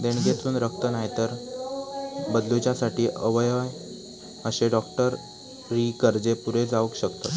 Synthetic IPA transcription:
d̪eɳ̃ɡʱet̪ʰuːnɾək̚ʰt̪ənaɦjt̪əɾ | bəd̪lut͡ɕjasaʈiːʔəʋəjʋaj | əɕeɖɔkʈəɾː | iːkəɾd͡zepuɾed͡zaʋəkɕəkt̪ə

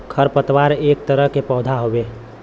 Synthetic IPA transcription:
kʰəɾpət̪waɾeːk̚t̪əɾəɦkepɔːʊd̪ʱaɦobe

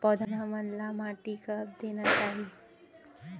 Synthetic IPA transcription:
pɔd̪ʱnəmənlamaʈikəp̚d̪enat͡ʃaɦi

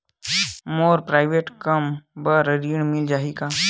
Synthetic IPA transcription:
moːɾpɾaːɪʋeːʈkɐmbəɾəɾiːɳmɪld͡ʒaːɦikaː

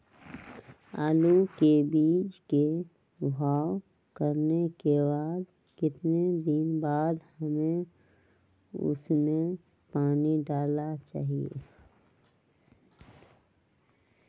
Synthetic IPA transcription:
a̰ːlukebiːd͡ʒke | bʱaːw | kəɾnekebaːd̪ | kɪt̪ned̪ɪnbaːd̪həmẽ | ʊ̰smẽ | paːniɖaːlat͡ʃa̰ːɦiḛ

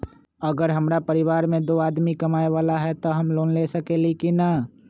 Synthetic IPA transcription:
əɡəɾɦəmɾapəɾɪʋaːɾmẽd̪oːaːd̪mikɐmaːeʋaːlaɦɛt̪oɦɐmloːnlesəkelikina

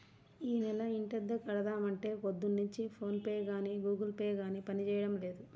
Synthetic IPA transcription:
iːnɛlɐiɳʈɛd̪ːɐkɐɽɐd̪aːmɐɳʈe̞ːkod̪ːunːuɲt͡ʃipʰo̞ːnpeːɡaːniːɡuːɡɐlpeːɡaːniːpɐnit͡ʃɛːjɐɽɐmle̞ːd̪u

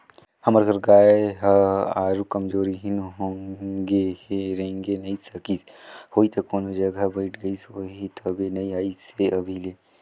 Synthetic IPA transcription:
hɐməɾkɐɾɡaːeɦaːɾukɐmd͡ʒoːɾiɦɪnɦõːŋɡeɾɐẽŋɡenɐisɐkis | hoːit̪ʰɐkoːnod͡ʒɐɡʱabɐɪʈʰɡɐisoɦit̪ʰɐbenɐiaːiseʔɐbʱileː

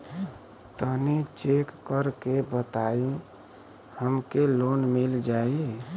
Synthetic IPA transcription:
t̪ənit͡ʃekːəɾkebət̪ai | həmkelonmild͡ʒai

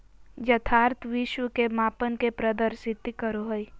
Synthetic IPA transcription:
d͡ʒɐt̪ʰaːɾt̪ʰʋiʃʋəkemaːpənkepɾɐd̪əɾsɪt̪kəɾoɦəi

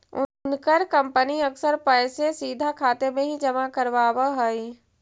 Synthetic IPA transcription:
ʊnkəɾkə̃mpəniɐksəɾpɛːsesiːd̪ʱakʰaːt̪emẽɦid͡ʒɐmakəɾʋaːwaɦəi

